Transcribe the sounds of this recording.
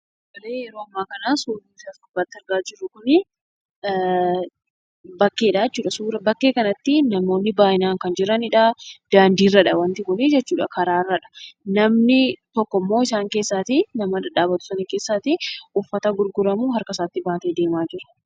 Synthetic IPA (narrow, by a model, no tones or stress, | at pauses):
mɐleːjɛɾoːɐmːaːkɐnaːsuːlisaːsɐbaːt̪ːɪɐɾɡaːd͡ʒɪrːʊkʊnɪ | bɐkːeːᶑaɛt͡ʃːuːᶑɐsuːɾɐbɐkːe̞ːkɐnɐt̪ːɪnɐmo̞ːnːɪbaːʔɪnaːŋkɐnd͡ʒɪɾɐnɪᶑɐd̪̥aːnd̪iːrːɐᶑɐwɐnt̪ɪkʊnɪd͡ʒɛt͡ʃːuːᶑɐkɐɾaːrːɐᶑɐ̥nɐmnɪt̪ɔkːɔmːo̞ːɪsaːŋke̞ːsːaːt̪ɪnɐmɐdɐᶑaːbɐt̪ʊ̥sɐnɐke̞ːsːaːt̪ɪʊfːɐt̪ɐɡʊɾɡʊɾɐmuɦɐɾkɐsaːt̪ːɪbaːt̪eːd̪e̞ːmaːd͡ʒɪɾɐ̥